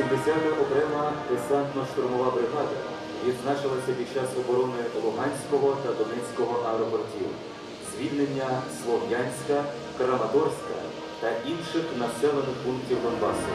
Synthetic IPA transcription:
imd̪esʲat̪ɪʔɔkɾɛmɐɾesɑnt̪nɔʃt̪ʊɾmɔʋɑbɾɪɦɑd̪ɐ | ʋʲid̪znɑt͡ʃɪlˠɐsʲɐpʲid̪t͡ʃɑsɔbɔɾɔnɪlˠʊɦɑnʲsʲkɔɦɔt̪ɐd̪ɔnɛt͡sʲkɔɦɔʔɐɛɾɔpɔrtʲḭw | zʲʋʲilʲnenʲːɐslˠɔʋjanʲsʲkɐ | kɾɐmɐt̪ɔrsʲkɐ̰ | t̪ɐʔinʃɪxnɐsɛlˠɔnɪxpunktʲiwd̪ɔnbɑ̰sʊ

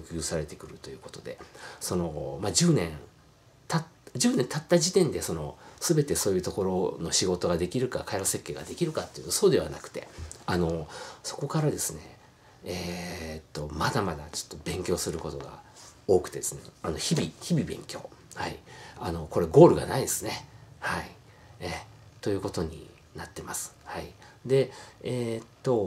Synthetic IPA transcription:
okʲɯːsaɾe̞t̪e̞̥kɯ̟ɾɯ̟t̪o̞jɯ̟ːko̞̥t̪o̞d̪e̞̰so̞no̞mad͡ʑɨːnẽ̞n | t̪atʑɨːnẽ̞nt̪at̪ːaʑit̪ẽ̞nd̪e̞so̞no̞̰sɨbe̞t̪e̞so̞ːjɯ̟ːt̪o̞ko̞ɾo̞no̞ɕiɡo̞t̪o̞ɡad̪e̞kʲiɾɯ̟kakaiɾose̞kʲːe̞ːɡa̰d̪e̞kʲiɾɯ̟kat̪ːeiɯ̟nso̞ːd̪e̞β̞a̰nakɯ̟̥t̪e̞̰ano̞so̞̥ko̞kaɾad̪e̞sɨnḛ | et̪ːo̞mad̪amad̪at͡ɕo̥t̪ːo̞bẽ̞ŋkʲo̞ːsɨɾɯ̟ko̞t̪o̞ɡa̰o̞ːkɯ̟̥t̪e̞d̪e̞sɨnḛano̞çibʲiçibʲibẽ̞̰ŋkʲo̞ːhaiano̞ko̞ɾe̞ɡo̞ːɾɯ̟ɡa̰naid̪e̞sɨne̞hai | e | t̪o̞jɯ̟ːko̞t̪o̞ɲ̟ḭ | nat̪ːe̞masɨ̥haid̪e̞eːt̪ːo̞

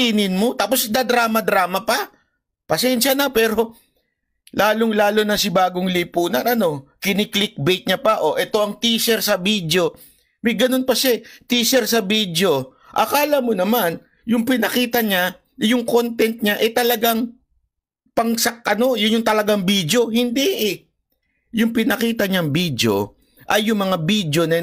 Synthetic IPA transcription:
iːnɪnmo̞t̪aːpo̞sd̪ɐd̪ɾaːmɐd̪ɾaːmɐpɐ | pɐsɛnʃɐnɐpɛːɾo̞ | lʔaːlo̞ŋlaːlonɐsɪbaːɡo̞ŋlipuːnɐnɐno̞kɪnɪklɪk̚bɛjt̪̚ɲɐpaʔo̞ʔɛt̪o̞ʔɐŋt̪iːsɛɾsɐbid̪jo̞ | mɐjɡɐno̞npɐʃat̪iːsɛɾsɐbid̪jo̞ | ʔɐkaːlɐmonɐman | jʊŋpɪnɐkiːt̪ɐɲa | jʊŋko̞nt̪ɛnt̪̚ɲaʔɛt̪ɐlɐɡaŋ | pɐŋsɐk̚ʔɐno̞jʊnjʊŋt̪ɐlɐɡaŋbiːd̪jo̞hɪnd̪iʔɪ | jʊŋpɪnɐkiːt̪ɐɲaŋbid̪jo̞̰ | ʔɐjːʊŋmɐŋabid̪jo̞nɐ

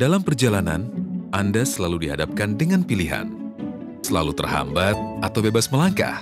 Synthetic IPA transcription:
dalampərd͡ʒalana̰nʔandasəlaludiɦadap̚kandəŋanpiliɦa̰n | səla̰lut̪ərɦa̰mbat̪̚at̪awbebasməlaŋka̰h

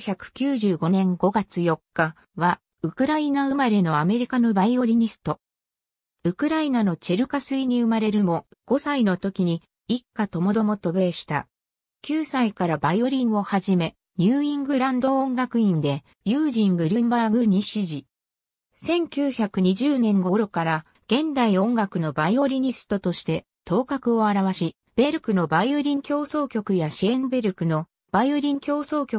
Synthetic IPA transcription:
çʲakɯ̟̥kʲɨːʑɨːɡo̞nẽ̞ŋɡo̞ɡat͡sɨjo̞kːa | βa | ɯ̟kɯ̟ɾainaɯ̟maɾe̞no̞ame̞ɾʲikano̞baio̞ɾʲiɲ̟isɨ̥t̪o̞ | ɯ̟kɯ̟ɾainano̞t͡ɕe̞ɾɯ̟kasɨiɲ̟iɯ̟maɾe̞ɾɯ̟mo̞ɡ̥o̞saino̞t̪o̞kʲiɲ̟i | ikːat̪o̞mo̞d̪o̞mo̞t̪o̞be̞ːɕi̥t̪a̰ | kʲɨːsaikaɾabaio̞ɾʲĩŋo̞haʑime̞ | ɲ̟ʲɨːĩŋɡɯ̟ɾãnd̪õ̞ːŋɡakɯ̟ĩnd̪e̞ | jɯːʑĩŋɡɯ̟ɾʲɯ̟mbaɡɯ̟ɲ̟iɕiʑi | sẽ̞ŋkʲɨːçakɯ̟ɲ̟iʑɨːnẽ̞ŋɡo̞ɾo̞kaɾa | ɡ̥ẽ̞nd̪aiõ̞ŋɡakɯ̟no̞baio̞ɾʲiɲ̟isɨ̥t̪o̞t̪o̞ɕi̥t̪e̞ | t̪o̞ːkakɯ̟o̞aɾaβaɕi | b̥e̞ɾɯ̟kɯ̟no̞baioɾʲĩŋkʲo̞ːso̞ːkʲo̞kɯ̟jaɕiẽmbe̞ɾɯ̟kɯ̟no̞ | b̥aioɾʲĩŋkʲo̞ːso̞ːkʲo̞kɯ̥

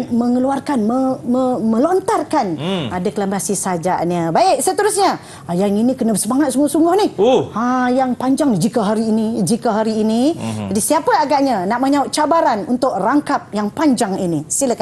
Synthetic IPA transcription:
məŋəluarkanməməməlɔnt̪arkanadɛklamasisad͡ʒa̰ʔnəbaɪk̚sət̪əɾusɲa | ajaŋinikənəbəsəmaŋat̪̚suŋɡʊhsuŋɡʊhnihohãjaŋpaɲd͡ʒaŋd͡ʒikəɦaɾiːnid͡ʒikəɦaɾiːnid͡ʒadisiapəaɡaʔɲanaʔməɲaʊt̪̚t͡ʃabaɾanunt̪ʊk̚raŋkap̚jaŋpaɲd͡ʒaŋinisiləka

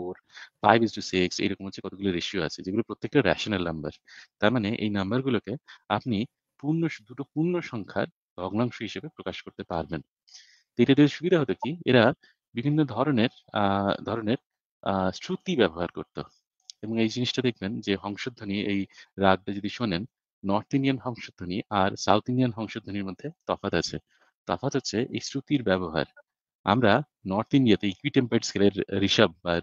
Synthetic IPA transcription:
oɾ | pa̰jbisʈusiksḛjɾɔkomɦoːt͡ɕʰekɔt̪oɡuloɾeʃiua̰t͡ɕʰed͡ʑeɡulopɾot̪ːek̚ʈaɾɛ̰ʃonalnɐmba̰ɾt̪aɾmaneʔḛjnambaɾɡulokeapni | puɾnoʃd̪uʈopuɾnoʃɔŋkʰa̰ɾ | b̪ʱɔɡnaŋʃoɦiʃebepɾokaʃkoɾt̪epaɾben | t̪ejʈaɾeʃubid̪ʱaɦot̪okiḛɾa | bibʱinːod̪ʱɔɾoneɾ | d̪ʱɔɾoneɾ | sʈɾut̪ibɛboɦaɾkoɾt̪o̰ | eboŋejd͡ʑiniʃʈad̪ek̚ʰbend͡ʑeɦɔŋʃod̪ʱːoniejɾad̪̚ɾad͡ʑod̪iʃonenː | ɔɾt̪inianɦɔŋʃod̪ʱːoniʔaɾsa̰wt̪inianɦɔŋʃod̪ʱoniɾmod̪ʱːet̪ɔfat̪at͡ɕʰḛ | t̪ɔ̰fat̪ɦotːɕʰeʔḛjsɾut̪iɾbɛβoɦa̰ɾ | a̰mɾa | nɔɾt̪inɖiat̪eejkwiʈempeʈskeleɾɾiʃab̚ːaɾ

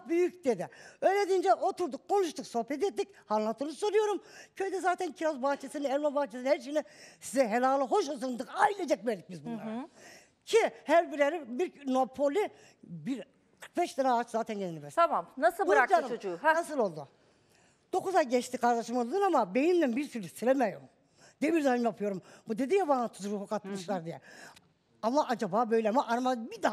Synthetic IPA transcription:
byjycd̪ed̪iøjlʲed̪ind͡ʒɛʔot̪uɾd̪ukkʰːo̞nuʃt̪ʰukso̞hpɛt̪̬et̪ːic | hanlˠant̪ʰɯːnuzsoɾujo̞ɾumcʰøjd̪ɛzaːt̪ʰɛncʰiɾozbaht͡ʃʰesiniɛɾmabaht͡ʃʰesinhæɾʃ̬inisizɛɦelʲaːlˠɯɦo̞ʃ̬ozɯnd̪ɯkajilʲed͡ʒɛc̚veɾd̪ic̚bizbuaɾ | cʰihæɾbiɾleɾibiɾno̞pʰolʲi | biɾ | kʰɯɾk̚bɛʃt̪ʰanaːt͡ʃzaːt̪ʰænjeninibɛst̪ʰamamnasɯbuaat͡ʃod͡ʒunasɯlˠo̞lˠd̪u | d̪̥o̞kuzajɟɛt͡ʃt̪ʰikʰaɾd̪aʃɯmɯlˠɯd̪ɯnamabe̞nimd̪ænbiɾsyɾɛssiɾemɛjom | d̪iɛbiɾd̪ahɯmjapʰɯjo̞ɾumbud̪e̞d̪ijabaːt̪ʰuzuɾuhukʰat̪mɯʃlˠaɾd̪ijɛ | amaʔad͡ʒabaːbø̞jlʲɛamaʔaɾmabid̪a

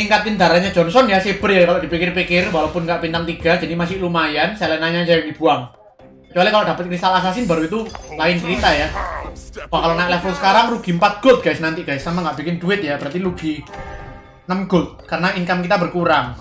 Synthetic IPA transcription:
iŋkat̪ɪnd̪a̤ɾaɲad͡ʒɔnsɔnjaseb̥ərjakaloʔd̥ipikɪrpikɪrwalawpʊnŋɡaʔpint̪aŋt̪iɡ̥ad͡ʒadimasɪhlumajansalɛnaɲad͡ʒajaŋd̥ib̥uaŋ | kə̥t͡ʃualikaloʔd̥a̤pət̪̚kɾist̪alas̬asɪnbaɾuit̪̬ulaɪnkɾit̪aja | wakalonaʔlɛfɔlsə̥kaɾaŋruɡ̥i̤əmpat̪̚ɡ̥ʊt̪̚ɡ̥ajsnant̪ɪʔɡ̥ajsːamaŋɡaʔb̥ikɪnduɪt̪̚jabəɾart̪iluɡ̥i | nəmɡ̥ʊt̪̚kaɾənaiŋkamkit̪abərkuɾaŋ

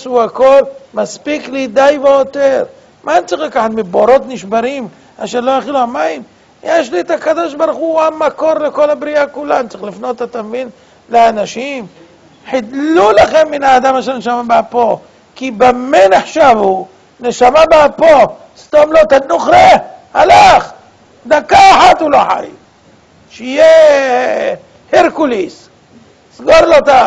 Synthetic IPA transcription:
suako̞lmaspiklid̪ajveot̪eɾ | mʔant͡sixlakaħat̪meboɾo̞t̪niʃbaɾim | aʃeɾlojaχiluamaim | jeʃliet̪akad̪o̞ʃbaɾuχuamako̞ɾleko̞labɾiakulantt͡siχlifno̞t̪at̪amevin | leanaʃim | ħid̪lulaχemːinaːd̪amaʃeɾneʃamabapo | kibamːeneħʃavu | neʃamabapo | st̪omlot̪anuχɾehalaχ | d̪akːaːħat̪uloħa̰j | ʃeije | heɾkulis | sɡoɾlot̪a

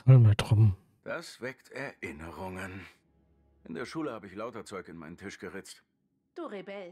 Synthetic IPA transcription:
almətʁ̥ɔm̩ | d̥asv̥ɛktʰɛɐʔɪnəʁʊŋən | ʔɪndeːɐʃuːləhaːbəɪçlaʊtɐt͡sɔʏkɪnmaɪnən̩tʰɪʃɡ̥əʁɪt͡st | d̥uːʁebɛl

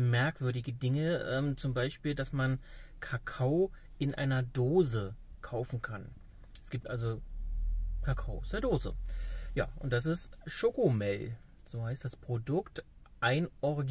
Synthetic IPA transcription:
mɛɐkv̥ʏɐdɪɡədɪŋəʔɛːmt͡sʊmbaɪʃpiːldasmankʰakʰaʊ | ʔɪnʔa̰ɪnɐdoːzəkʰaʊfn̩kʰan | ɛsɡ̥iːp̚tʔalzo | kʰakʰaʊsɛɐdoːzə̰ja̰ːʔʊnt̚d̥as̬ɪstʃoːkomɛl | z̥oːhaɪstd̥aspʁ̥odʊkt | ʔaɪnʔɔʁɪɡ

